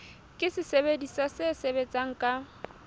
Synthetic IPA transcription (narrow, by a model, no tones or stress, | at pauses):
kʼɪsɪsebedisasɪsebet͡sʼaŋ̩kʼa